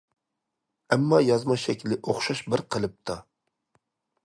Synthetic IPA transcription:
ɛmːɑjɑzmɑʃɛkʲlɪʔoχʃɑʃbɪɾqʰəlˠɨp̚t̪ʰɑ

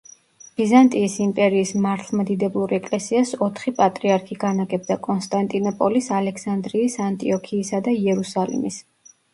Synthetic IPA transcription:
b̥izant̪ʼiːsimpʼɛɾiːsmaɾt̪ʰlˠmad̪id̪ɛblˠuɾɛkʼlɛsiasɔt̪ʰχipʼat̪ʼɾiaɾkʰiɡanaɡɛb̚d̪akʼɔnst̪ʼant̪ʼinɔpʼɔlisalɛksand̪ɾiːsant̪ʼiɔkʰiːsad̪aiɛɾusalḭmḭs

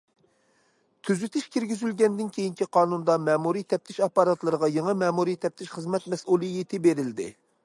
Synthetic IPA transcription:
t̪ʰyzyt̪ʰɪʃkʲiɾɡʲizylɡʲɛnd̪ɪnkʲʰejiŋkʲiqʰɑːnund̪ɑmɛːmuɾijt̪ʰɛp̚t̪ʰɪʃɑpːɑɾɑt̪lˠɨɾəʁɑjeŋəmɛːmuɾijt̪ʰɛp̚t̪ʰɪʃχəzmɛt̪mɛsulˠɨjet̪ʰɪbeɾɪld̪ɪ̰

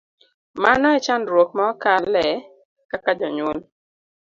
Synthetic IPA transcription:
manɔɛt͡ʃanɾwok̚mɔkalɛ | kakad͡ʒɔɲwol

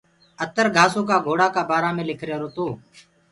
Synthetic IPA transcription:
ət̪əɾɡʱaːsoːk̬aːɡʱoːɽaːkaːbaːɾaːmẽːlɪkʰɾjaːɾoːt̪oː

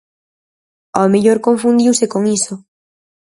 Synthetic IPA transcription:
ɔmeʎoɾkoɱfũnd̪iwsekoŋiso

